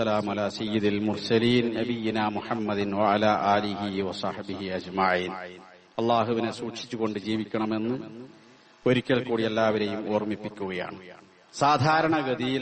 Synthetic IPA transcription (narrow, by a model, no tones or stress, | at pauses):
ɐlaːmɐlaːsɐjːid̪ilmursɐliːnnɐbijːinaːmuħɐmːɐd̪inwɐɐlaːʔaːliɦiwɐsɑħbiɦiɐd͡ʑmɐʕiːn | ɐlːaːɦuʋinesuːʈʂit͡ɕːuɣo̞ɳɖɨd͡ʑiːʋikʲːɐɳɐme̞nːɨ | o̞ɾikʲːɐɭkuːɽielːaːʋɐɾe̞jumoːrmipːikʲːuɣɐja̰ːɳɨ | saːd̪ʱaːɾɐɳɐɡɐd̪ijil